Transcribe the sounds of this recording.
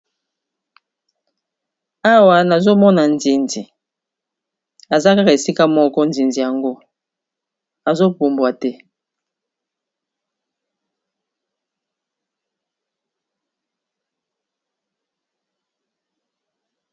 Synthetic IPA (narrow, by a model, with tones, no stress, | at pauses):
a˦wa˨na˨zo˦mɔ˦na˨n˨di˨ndi˨ | a˨za˦ka˦ka˨e˨si˦ka˦mɔ˦kɔ˦n̩˨di˨nd͡zi˨ja˨ŋɡo˦ | a˨zo˦k͡pu˨mbwa˨tɛ˦